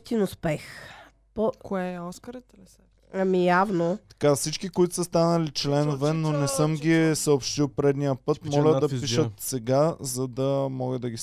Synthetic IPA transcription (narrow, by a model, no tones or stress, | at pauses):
t̪inʊspɛx | pokoɛɔskəɾt̪ | ɐmijavnot̪ɐ̥kafsit͡ʃkikoit̪ʊ̥səst̪anəlit͡ʃlɛnovɛnonɛsɤmɡʲisəopʃt̪ilˠpɾɛd̪nijəpɤtt̪mɔlʲəd̪ɐpiʃət̪sɛɡazɐd̪ɐmɔɡəd̪ɐɡʲi